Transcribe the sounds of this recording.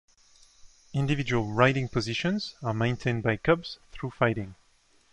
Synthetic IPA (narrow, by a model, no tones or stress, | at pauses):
ɪ̃ndɨvɪd͡ʒuəlˠɹaɪɾɪ̃ŋpʰɔzɪʃə̃nzəmẽɪ̃ntʰẽɪ̃nbaɪkʰʌbz̥θɹufaɪɾɪ̃ŋ